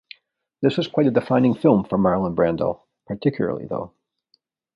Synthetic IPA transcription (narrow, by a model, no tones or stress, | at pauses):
ðɪswʌz̥kʰw̥aɪɾɨdɨfãɪ̃nɪ̃ŋfɪlˠɱfə˞mɑɹl̩ˠə̃nbɹæ̃ndl̩ˠ | pʰə˞tʰɪkʰjl̩ˠə̰˞lˠḭðo̰ʊ